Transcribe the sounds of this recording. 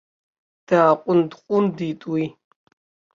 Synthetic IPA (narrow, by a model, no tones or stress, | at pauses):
d̥aːqʷʼʊndqʷʼʊndiːtʼwi